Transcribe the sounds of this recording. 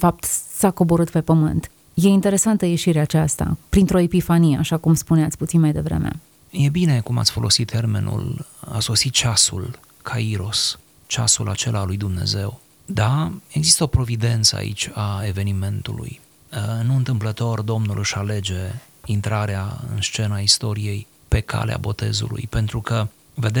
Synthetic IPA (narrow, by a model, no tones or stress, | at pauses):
fap̚t̪sako̞bo̞ɾɨt̪pe̞pəmɨnt̪ | je̞int̪e̞ɾe̞sant̪əje̞ʃiɾeat͡ʃast̪a̰pɾint̪ɾo̞epifanijeaʃakumspuneat̪sʲput̪sinmajd̪e̞vɾe̞̰mḛ | je̞bine̞kuma̰t̪sʲfo̞̰lo̞sit̪ʰːerme̞̰nṵla̰so̞sit̪̚t͡ʃasṵl | kʰaiɾo̞s | t͡ʃa̰sulat͡ʃe̞lʔalujd̪umne̞̰ze̞w | d̪ae̞ɡzist̪əopɾo̞vid̪e̞nt̪səa̰ʔḭt͡ʃʲae̞ve̞nime̞nt̪ṵlṵj | nuɨnt̪ɨmplət̪o̞rd̪o̞mnulʔɨʃale̞d͡ʒe̞ | int̪ɾaɾeaɨ̰nst͡ʃe̞naist̪o̞ɾije̞j | pe̞kʰa̰lea̰bo̞t̪e̞̰zṵlṵjpe̞nt̪ɾukə | ve̞d̪e